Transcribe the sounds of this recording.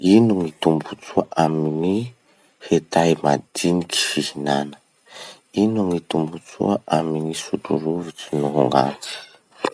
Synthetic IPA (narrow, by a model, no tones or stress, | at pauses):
inuŋit̪umbut͡suaʔamini | het̪ajma̰d̪̥iniki̥fihinanə̥ | inuŋit̪umbut͡sṵaʔaminisuʈ͡ʂṵluvut͡sinuɦṵŋɡa̰t͡si̥